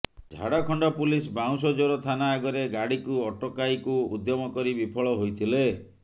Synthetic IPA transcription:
d͡ʒʱa̰ɽakʰɔɳɖɔpulisbaw̃sɔd͡ʒɔɾɔt̪ʰanaːɡɔɾeɡaɽikuɔʈɔkajkuud̪jɔmɔkɔɾibipʰɔɭɔɦojt̪ʰile

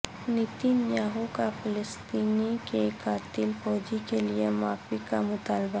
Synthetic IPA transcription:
nit̪injaːɦukafɪləst̪iːnikekaːt̪ɪlfɔːd͡ʒikeliemaːfikamʊt̪aːlba

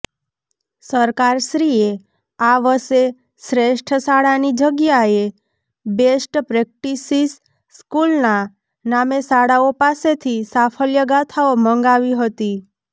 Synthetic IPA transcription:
səɾkaɾʃɾie | aʋəse | sɾeʃʈʰəsaɽanid͡ʒəɡjae | besʈpɾek̚ʈisis | skulna | namesaɽaopaset̪ʰisapʰəljəɡat̪ʰaomə̃ŋɡaʋiɦət̪i

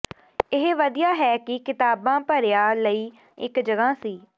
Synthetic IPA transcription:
ɪɦʋəd̪ijaːɦɛːkɪkɪt̪aːbãːpəɾejaːləiː | ɪ̰kd͡ʒəɡãːsiː

